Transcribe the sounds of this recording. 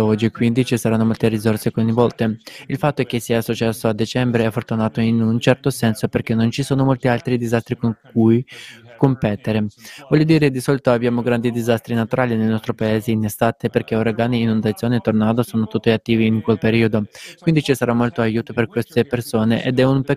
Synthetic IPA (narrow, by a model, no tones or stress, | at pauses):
ɔd͡ʒːikwind̪it͡ʃisaɾanːomolt̪erizorsekoɲvɔlt̪eilfat̪ːoɛk̟ːesːiːasot͡ʃasːoad̪it͡ʃɛmbɾeɛfːort̪unaːt̪oinunt͡ʃɛrt̪osɛnsoperkenːont͡ʃisoːnomolt̪ialt̪ɾid̪izast̪ɾikoŋk̚ujkompɛt̪eɾevɔʎjːod̪iːɾed̪isɔːlit̪oabjaːmoɡɾand̪id̪izast̪ɾinat̪uɾaːlinelnɔst̪ɾopaeːzeinest̪aːt̪eperk̟eoɾaɡaːniːnond̪at̪sjoːnet̪ːornaːd̪osoːnot̪ut̪ːiat̪ːiːviːŋkwelpeɾiːod̪okwind̪it͡ʃisaɾamːolt̪oajuːt̪operkwest̪epersoːneʔed̪ɛumpe